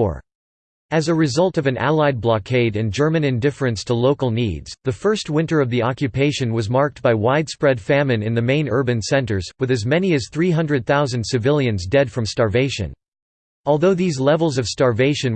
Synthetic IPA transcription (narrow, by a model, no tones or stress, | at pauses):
ɨzɨɹɨzʌlˠtʌvɨ̃nʔæ̰lˠaɪd̚blɑkʰeɪɾɨ̃nd͡ʒɜ˞mɨ̃nɨ̃ndɪfɹɨ̃nstʰəloʊkl̩ˠnḭdz̥ðɨfɜ˞st̚wɪ̃ntə˞ʌvðiɑkjɨpʰeɪʃɨ̃nwʌzmɑɹk̚t̚b̥aɪwaɪd̥spɹɛd̥fæmɨ̃nɨ̃nðɨmẽɪ̃nɜ˞bɨ̃nsɛ̃ntə˞zwɨðɨzmɛniɨz̥θɹiɦʌ̃ndɹɨd̪̚θaʊzɨ̃n̩d̥sɨvɪlˠjɨ̃nzdɛd̥fɹʌ̃mstɑɹveɪʃɨ̰̃n | ɔlˠðoʊðizlɛvl̩ˠzʌv̥stɑɹveɪʃɨ̃n